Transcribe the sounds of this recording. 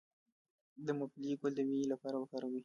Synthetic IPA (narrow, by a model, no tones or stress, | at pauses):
d̪əmʊbliɡold̪əmilapɑɾabakɑɾawi